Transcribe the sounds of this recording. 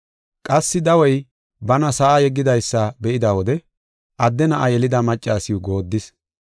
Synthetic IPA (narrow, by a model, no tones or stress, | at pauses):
kʼɐsːɪd̪ɐwɔj | bɐnɐsɐʔajɛɡːɪd̪ɐjsːɐbɛʔɪd̪ɐwɔd̪ɛ | ʔɐd̪ːɛnɐʔɐjɛlɪd̪ɐmɐt͡ʃʼːaːsɪjʊɡo̞ːd̪ːɪs